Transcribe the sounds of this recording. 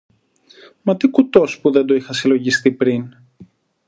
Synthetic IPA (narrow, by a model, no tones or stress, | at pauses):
mɐt̪ikut̪o̞spuðe̞nd̪oixɐsilo̞ʝist̪ipɾin